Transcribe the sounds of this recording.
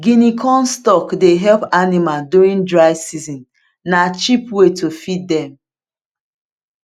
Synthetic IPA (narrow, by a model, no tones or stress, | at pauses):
ɡinikʰɔ̃nstɔkdeɦɛlpanimalduɹĩndɹaɪsizɔ̃n | nat͡ʃipwetʰofit̚dɛ̃m